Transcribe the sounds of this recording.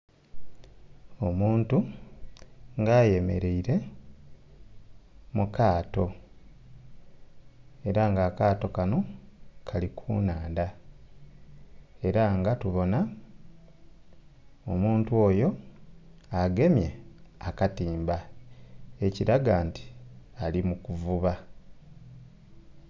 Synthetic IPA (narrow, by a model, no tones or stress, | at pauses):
o̞muːntu | ŋɡaːje̞me̞̰ɾe̞iɾe̞ | mukaːto̞ | e̞ɾaŋɡaːkaːto̞kano̞kʰalikʰṵːnaːnda | e̞ɾaŋɡatuβo̞na | omuːntwo̞ːjo̞ | aɡe̞mje̞akatiːmba | e̞ciɾaɡaːnti̥alimukuvuβa